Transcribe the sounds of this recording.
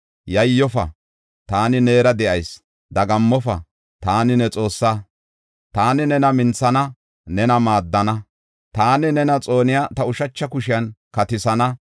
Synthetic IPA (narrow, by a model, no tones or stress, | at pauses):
jɐjːɔfɐ̰ | t̪aːnɪne̞ːɾɐd̪ɛʔɐjs | d̪ɐɡɐmːɔfɐ̰ | t̪aːnɪnɛt͡sʼo̞ːsːa | t̪aːnɪnɛnɐmɪnt͡sːɐnɐ | nɛnɐmaːd̪ːɐnɐ | t̪aːnɪnɛnɐt͡sʼo̞ːnɪjat̪ɐʊʃɐt͡ʃːɐkʊʃɪjɐnkɐt̪ɪsɐnɐ